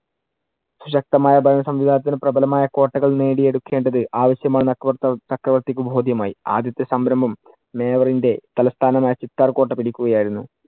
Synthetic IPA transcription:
suɕɐk̚t̪ɐmaːjɐbʱɐjnɐsɐmʋid̪ʱaːnɐt̪ːinɨprɐbʱɐlɐmaːjɐko̞ːʈːɐɣɐɭne̞ːɽie̞ɽukːe̞ːɳɖɐðɨʔaːʋɐɕjɐmaːɳɨnɐɐkrɐʋɐrt̪ikʲːubʱo̞ːd̪ʱjɐmaːjia̰ːd̪jɐt̪ːesɐmbɾɐmbʱɐmː | e̞ːʋɐrinde̞t̪ɐlɐst̪ʰaːnɐmaːjɐt͡ɕit̪ːaːrko̞ːʈːɐpiɽikʲːuɣɐjaːjiɾunːu

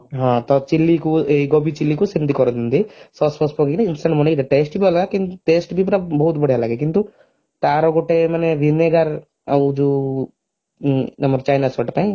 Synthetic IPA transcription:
ɦãt̪ɔt͡ʃilːikueɡɔbit͡ʃilːikusint̪ikɔɾɔd̪ind̪isɔspɔspɔkekinainsʈɐɳʈmɔnid̪aʈeːsʈbʱiɔlaɡekinʈeːsʈbʱipɾabɔɦut̪bɐɽijalaːɡekint̪u | t̪aːɾɔɡɔʈemɐneʋineɡaɾ | ɐd͡ʒu | nɐmbɐɾt͡ʃajnasʋɔʈt̪aĩ

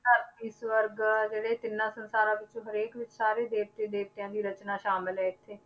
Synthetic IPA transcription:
t̪aɪsʋəɾɡd͡ʒeːɽeːt̪ɪnːãːsənsaːɾãːʋɪt͡ʃõːɦəɾeːkʋɪt͡ʃsaːɾeːd̪eːʋt̪ẽːd̪eːʋt̪ejãːd̪iːɾət͡ʃnaːʃaːmɪlɦɛːɪt̪ʰːeː

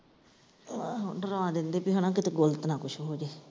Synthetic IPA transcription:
ɖəɾõãːd̪ɪnd̪eːpiːɦənãːkɪt̪eːɡolət̪nãːkʊʃʰɦoːd͡ʒeː

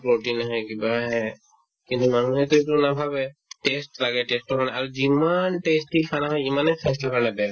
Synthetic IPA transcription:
pɹoʈinaɦɔkibaɦɛ | kint̪umanuhɛtuitunabʱabɛtestlaɡɛʈestɔkanaaɹuzimanʈestikʰanaɦɔjimanɛsʰɛslakanadɛ

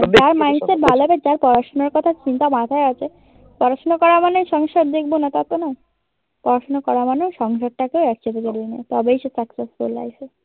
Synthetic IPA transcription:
d͡ʑaɾmajnseʈ̚bʱaloabed͡ʑaɾpɔɾaʃonoɾkɔt̪ʰat͡ɕint̪amat̪ʰaeat͡ɕʰe | pɔɾaʃonokɔɾamanoʃɔŋʃoɾd̪ek̚ʰbonat̪at̪ona | pɔɾaʃonokɔɾamanoʃɔŋʃoɾ̚ʈakeoɛk̚t͡ɕʰot̪od͡ʑolina̰jt̪ɔbejʃesaksesfula̰jse

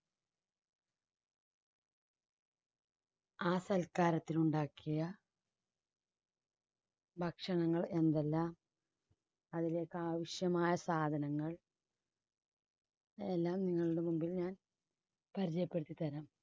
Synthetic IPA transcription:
aːsɐlkaːɾɐt̪ːiluɳɖaːkːijɐ | bʱɐkʂɐɳɐŋːɐɭe̞nd̪elːaːm | ɐðile̞ːkːɨaːʋɐɕjɐmaːjɐsaːd̪ʱɐnɐŋːɐɭ | elːaːmniŋːɐɭuɽe̞mumbilɲaːn | pɐɾit͡ɕɐjɐpːeɽɨt̪ːit̪ɐɾɐm

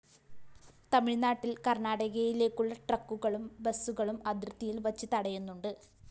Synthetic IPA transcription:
t̪ɐmiɭnaːʈːilkɐrnaːɽɐɣɐjile̞ːkːuɭːɐʈrɐkːuɣɐɭumbesːuɣɐɭumɐd̪rɨt̪ːijilʋɐt͡ɕːit̪ɐɽɐjunːuɳɖɨ

